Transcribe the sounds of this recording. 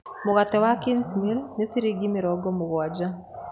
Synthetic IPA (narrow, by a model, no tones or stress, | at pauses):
moɣatɛwakinsmilnesiɾiɡimeɾɔɡɔmoɣwad͡ʒa